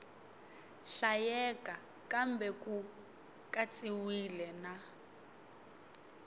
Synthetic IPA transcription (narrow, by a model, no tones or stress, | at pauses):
ɬajɛka | kambɛku | kat͡sʼiwilɛna